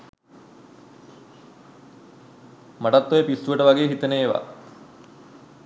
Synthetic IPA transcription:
maʈat̪ːojepisːuʋəʈəʋaɡeːɦit̪əneːʋa̰

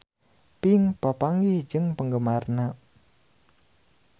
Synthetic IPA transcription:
piŋpapaŋɡɪhd͡ʒɨŋpəŋɡəmarna

